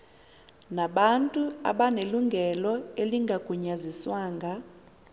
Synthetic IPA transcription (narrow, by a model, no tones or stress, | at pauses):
naɓantʼua̰ɓaneluŋɡʱɛlɔeliŋɡʱaɡ̥ʱuɲaziswaːŋɡʱa